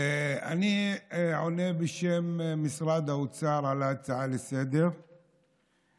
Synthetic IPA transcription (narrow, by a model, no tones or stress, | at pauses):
a̰niʕonebeʃemːisʁad̪aut͡saʁʕalat͡saʕalesed̪e̞ʁ